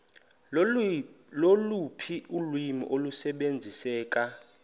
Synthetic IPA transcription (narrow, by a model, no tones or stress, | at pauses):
lolupʰiʔulwimḭʔolusɛɓend͡zʱisɛːk̬ʼa